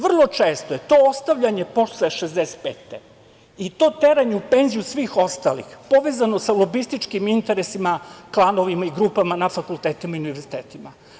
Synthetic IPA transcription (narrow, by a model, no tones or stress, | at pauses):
ʋr̩lˠo̞t͡ʃeːst̪ojet̪o̞ost̪aʋʎaɲe̞po̞ʃeʃezd̪ese̥t̪̚pḛːt̪e | it̪o̞ːt̪e̞ɾaɲeupe̞nzijusʋiːxo̞st̪alḭxpo̞ʋezano̞salˠo̞bist̪it͡ʃkimint̪eɾesimaklˠano̞ʋimaiɡɾuːpamanafakult̪eːt̪imaiuniʋe̞ɾzi̥t̪eːt̪ima